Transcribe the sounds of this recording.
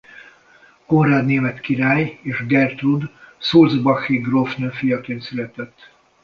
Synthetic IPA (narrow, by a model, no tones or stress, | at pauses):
konraːd̪neːmɛt̪kiɾaːjeːʒɡɛrt̪rud̪soːlzbɒxiɡrofnøfijɒkeːnsyɾɛt̪ɛt̪ː